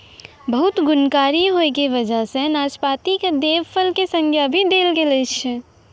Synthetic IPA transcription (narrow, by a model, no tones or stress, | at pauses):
bəɦʊt̪ɡʊnkaːɾiɦoekeʋəd͡ʒəɦsẽnaːspaːt̪iked̪eːʋpʰəlkesə̃ŋɡʱeəbʱid̪eːlɡelet͡ʃʰ